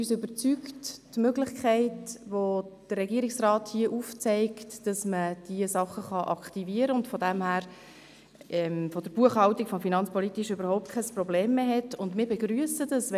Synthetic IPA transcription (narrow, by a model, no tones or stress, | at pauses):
yːsʏbət͡sykttmøɡlɪχkʰæɪtʋod̥ərːɛɡiːəɾiksrɑːthiəʔuft͡sɛɪktd̥ɑsməd̥iəsɑχəχɑʔɑkχtiviəɾəʊntfɔdæmhæːɾ | ɛmfɔd̥əɾb̥uəχhɑwtikfɔmfinɑnt͡spɔlitiʃʏbəɾhɔʊp̚t̚kʰɛsprɔbleːmːeːɦɛtʊndmɪːɾbɛɡɾyəsəd̥ɑs